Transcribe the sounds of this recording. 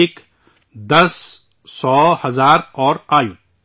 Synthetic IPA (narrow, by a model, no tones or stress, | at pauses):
eːk | d̪ɐsː | ɔːhɐzaːɾɔːɾaːjũː